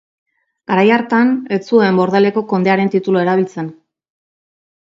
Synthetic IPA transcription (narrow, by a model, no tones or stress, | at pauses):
ɡ̥aɾajaɾt̪anet͡suembo̞ɾðele̞ko̞ko̞nd̪e̞aɾe̞nt̪it̪uloeɾaβ̞ilt͡se̞n